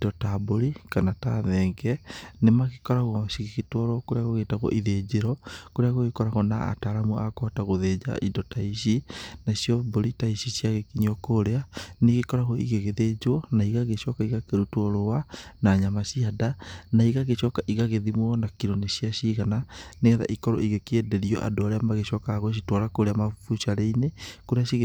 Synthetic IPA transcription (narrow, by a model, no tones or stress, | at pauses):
idɔtaboɾikanataðɛːŋɡɛnemaɣekɔɾaɣɔʃiɣiɣitwɔɾɔkoɾeaɣoɣeːtaɣɔ̰ʔiðed͡ʑeɾɔkoɾeaɣoɣekɔɾaɣɔnaa̰taɾamuakɔataɣoðed͡ʒa̰ʔidɔtaiʃinasjɔboɾitaiʃiʃjaɣekiɲɔkoɾeaneɣekɔɾaɣɔḭɣeɣeðed͡ʒwɔnaiɣaɣeʃɔkaiɣakeɾutwɔɾowanaɲamaʃiadanaiɣaɣeʃɔkaʔiɣaɣeðimwɔnakiɾoneɕiaʃiɣananeɣɛða̰ʔikɔɾɔ̰ʔiɣekiedeɾiɔ̰ʔa̰doaɾeamaɣeɕɔkaɣwʃ̬itwɔɾakoɾeamaufuʃiaɾeinekoɾeaɕiɣ